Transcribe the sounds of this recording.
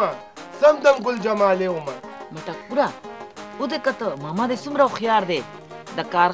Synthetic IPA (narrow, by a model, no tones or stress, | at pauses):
a | sɐmd̪ɐmɡuld͡ʒɐmaːleːumɐmɐʈɐk̚puɾa | ud̪ekɐt̪əmɐmad̪esumɾɐuxjaːɾd̪e | d̪ɐkaːɾ